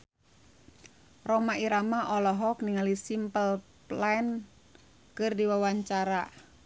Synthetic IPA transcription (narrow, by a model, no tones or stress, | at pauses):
rɔmaiɾamaʔɔlɔɦɔkniŋalisimpəl | plan | kɨrdiwawaɲt͡ʃaɾa